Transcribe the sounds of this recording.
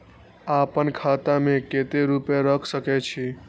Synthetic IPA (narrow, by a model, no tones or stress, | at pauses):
apənkʰat̪amẽket̪eɾupeɾəkʰsəkɛt͡ʃʰi